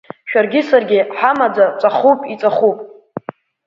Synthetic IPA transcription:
ʃᶣarɡʲɪsarɡʲɪħamad͡zat͡sʷʼaχupʼit͡sʷʼaχupʼ

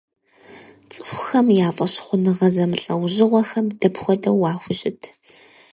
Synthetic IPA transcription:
t͡sʼɨxʷʊxɐmjaːfʼɐɕχʷʊnɨʁɐzɐmɨɬʼɐwʑɪʁʷɔxɐmdɐpxʷɔdɐwɑːxʷʊɕɪtʰ

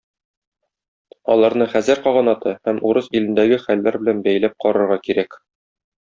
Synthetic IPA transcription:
ɒlˠɑɾnɤχæzɘɾqɒʁɑ̆nɑt̪ɤhæmuɾɤzilɘ̆nd̪æɡɘχælːæɾbɘ̆lænbæjlæp̚qɒɾɤ̆ɾʁɑkiɾæk

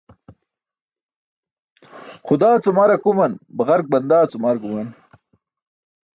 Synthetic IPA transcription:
χʊd̪aːt͡sumaːɾakumɐnbɐɣɐɾk̚bɐnd̪aːt͡sumaɾkumɐn

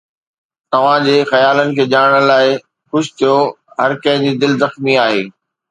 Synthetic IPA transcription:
t̪ɐʋ̤ãd͡ʑeːxɐjaːlənɪ̆kʰeːd͡ʑaːɽəɽ̃laːɪ | xʊɕɪ̥t̪ʰijo | ɦɐɾkɐ̃ɦɪ̃d͡ʑid̪ɪlzɐxmiaːɦeː

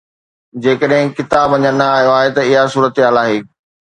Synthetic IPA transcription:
d͡ʑeːkəɗɦɪ̃kɪt̪aːbʋɐ̃ɲənnaaːɦijoaːɦet̪ɐɪɦasuːɾət̪eɦaːlaːɦeː

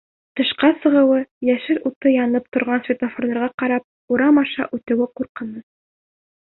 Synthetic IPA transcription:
t̪ɤ̆ʃqɑsɤ̆ʁɤ̆wɤjæʃɘɾut̪ɤjɑnɤp̚t̪ŏɾʁɑnsvʲet̪ofoɾlˠɑ̆ɾʁɑqɑɾɑp̚ | uɾɑmɑʃɑ̰ʔʉt̪ɘ̆wɘquɾqɤ̆nɤ

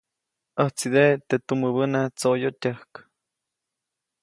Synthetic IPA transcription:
əht͡sid̪et̪et̪uməbənat͡sojot̪ʲəhk

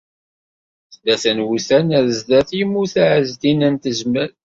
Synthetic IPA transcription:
θd̪æθənwuθænæðzd̪æθjəmːuθæʕəzd̪inənt̪əzməɾ

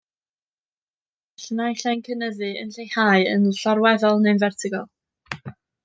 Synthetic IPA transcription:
ɬnajɬɛnkʰənəðɨə̰nɬejhaːɨə̰nɬɔɾwɛðɔlˠnenvɛrtʰɪɡɔlˠ

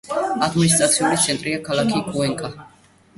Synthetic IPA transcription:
ad̪minis̬t̪ʼɾat̪sʰiulit̪sʰɛnt̪ʼɾiakʰalakʰikʼuɛŋkʼa

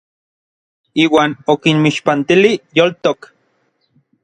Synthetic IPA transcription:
iːwaːnokinmiʃpant̪ilijolt̪ok

